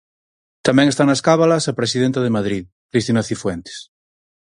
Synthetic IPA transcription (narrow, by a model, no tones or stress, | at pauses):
t̪amɛ̃ŋest̪aŋnaskaβalasapɾesiðent̪að̞emaðɾið | kɾist̪inaθifwent̪e̥s